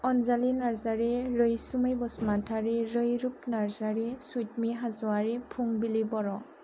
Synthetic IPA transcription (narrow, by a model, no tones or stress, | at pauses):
ɔnzalinaɹzaɹeɹəjsuməjbɔsmatʰaɹiɹəjɹup̚naɹzaɹisujt̚miɦazʊaɹipʰuŋbilibɔɹɔ